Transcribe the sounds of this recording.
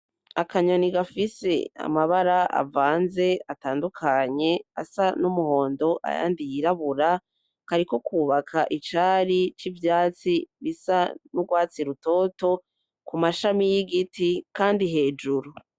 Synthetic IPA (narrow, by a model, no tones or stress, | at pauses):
akaɲo̞niɡafise̞̰a̰maβaɾaʔa̰vaːnze̞ataːndukʰaɲe̞a̰sanumuho̞ːndo̞ʔa̰ja̰ːndijiɾaβuɾa | kaɾiko̞kuːβakʰaʔit͡ʃaːɾit͡ʃivjaːt͡siβisanuɡwaːt͡siɾuto̞ːto̞ | kumaʃamijiɡitikaːndiɦe̞ːd͡ʒuɾu